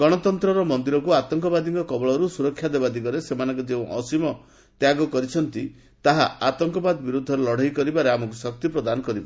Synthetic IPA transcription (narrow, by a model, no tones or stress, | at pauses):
ɡɔɽ̃ɔt̪ɔnt̪ɾɔɾɔmɔnd̪iɾɔkuat̪ɔŋkɔbad̪iŋkɔkɔbɔɭɔɾusuɾɔkʰːjad̪ebad̪iɡɔɾesemanɔŋkɔd͡ʒeũʔɔsimɔ | t̪jaɡɔkɔɾit͡ʃʰɔnt̪i | t̪aɦaat̪ɔŋkɔbad̪ɔbiɾud̪ʱːɔɾelɔɽ̤ajkɔɾibaɾeamɔkusɔk̚t̪ipɾɔd̪anɔkɔɾibɔ